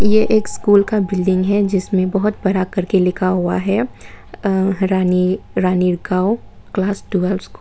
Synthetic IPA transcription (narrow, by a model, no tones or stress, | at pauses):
jeʔeːkskuːlkabɪlɖɪ̃ŋɡɦɛd͡ʒɪsmẽbɐɦʊt̪̚bɐɾakɐɾkelɪkʰaɦʊa̰ɦɛ | ɾaːniɾaːniɾɡaːo | klaːsɖuɛlskuː